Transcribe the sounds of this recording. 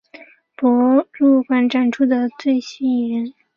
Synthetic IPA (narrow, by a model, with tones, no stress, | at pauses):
pɔ˧˥ɻu˥˩kwa˥nʈ͡ʂa˥˩nʈ͡ʂʰu˥d̪ə˨t͡swe˥˩ɪɕi˥i˥˩ɻə˧˥n